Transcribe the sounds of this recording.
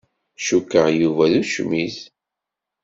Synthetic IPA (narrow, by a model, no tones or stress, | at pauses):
ʃukːəʁjuvæðuʃmiθ